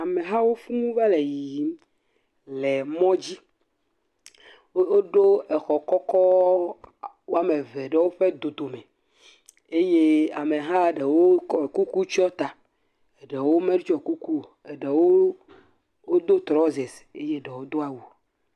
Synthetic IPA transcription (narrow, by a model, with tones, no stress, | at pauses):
a˨me˨ɦã˦wo˦fũ˦ũ˦vɛ˦le˨ji˨ | lɛ˨mɔ̃˦d͡ʑi˦ | o˦ɖo˦ɛ˨xɔ˨kɔ˦kɔ˦ | wo˦a˦me˨ve˨ɖe˨wo˦ɸe˦d̪o˨t̪o˨mɛ̃˨ | e˦je˦a˨me˨ɦã˦ɖe˨wo˦kɔ˦˨ku˦ku˦t͡ʃɔ˦t̪a˨ | e˨ɖe˨wo˦mẽ˦ɖt͡ʃɔ˨ku˦ku˦ | e˨ɖe˨wo˦ | wo˦d̪o˦t̪ɾɔ˦ze˨se˦je˦ɖe˨wo˦d̪o˦a˨wu˨